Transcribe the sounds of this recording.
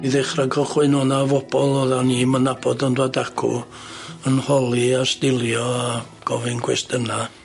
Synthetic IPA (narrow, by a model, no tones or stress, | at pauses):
iðɛχraɡəχwɪnɔnavɔb̥ɔlˠɔðanimanabɔdɔndwadakʰṵ | ənhɔlˠiastɪlˠjɔa | ɡ̥ɔvɪnɡʰwɛstəna